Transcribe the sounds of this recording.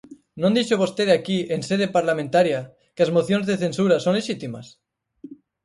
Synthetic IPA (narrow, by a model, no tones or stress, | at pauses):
nõnd̪iʃoβost̪eðakienseðepaɾlamẽnt̪aɾja | keazmoθjonzðeθe̞nsuɾasonleʃit̪ima̰s